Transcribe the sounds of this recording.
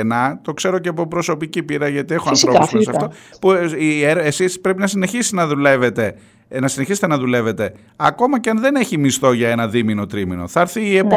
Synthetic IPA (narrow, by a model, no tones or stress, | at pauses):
enɐt̪o̞kse̞ɾo̞cepopɾo̞so̞picipiɾɐʝɐt̪ie̞xoɐnθθɾo̞usfsɐft̪opuieɾesispɾe̞pinɐsineçisi̥nɐðulevet̪e̞ | nɐsineçiset̪enɐðule̞ve̞t̪e̞ | ɐko̞mɐceɐnðe̞ne̞çimist̪o̞ʝɐe̞nɐðimino̞t̪ɾimino̞̰θɐɾθiːep